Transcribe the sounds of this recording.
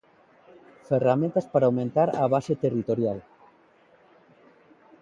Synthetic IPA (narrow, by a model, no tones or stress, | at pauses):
feramẽnt̪aspaɾawmẽnt̪aɾaβ̞aset̪erit̪oɾjal